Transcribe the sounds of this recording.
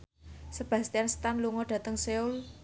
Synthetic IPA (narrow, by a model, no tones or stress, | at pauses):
səb̥ä̤st̪ijansə̥t̪anluŋɔɖ̥ä̤t̪əŋseʊl